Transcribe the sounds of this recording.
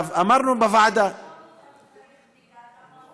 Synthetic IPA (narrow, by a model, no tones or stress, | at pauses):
amɑɾˤnubavaʕad̪a